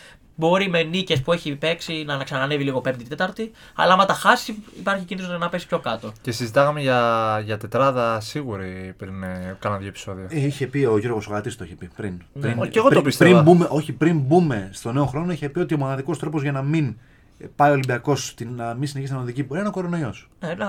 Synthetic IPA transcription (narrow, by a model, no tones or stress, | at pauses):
bo̞ɾime̞nice̞spue̞çipe̞ksinɐːnɐksɐnɐneviliɣo̞pemd̪it̪e̞t̪ɐɾt̪i | ɐ̰lɐɐmɐt̪ɐxɐsiipɐɾçicinðnoɐnɐpe̞si̥pço̞kɐt̪oce̞sizit̪ɐɣɐmeʝɐʝɐt̪e̞t̪ɾɐðɐsiɣuɾipɾinkɐnɐnðjoepi̥so̞ðioeiçe̞pio̞ʝoɾoɣosoɣɐt̪ist̪oiçepipɾinɾinceɣoopist̪eimɐbumeʔo̞çipɾinbume̞st̪o̞ne̞oxɾo̞noiçepio̞t̪io̞monɐðiko̞st̪ɾo̞pozʝɐnɐmin | pɐio̞limbiɐko̞st̪inɐminsineçisnɐnoðicipoɾiɐino̞ko̞ɾo̞no̞io̞s | e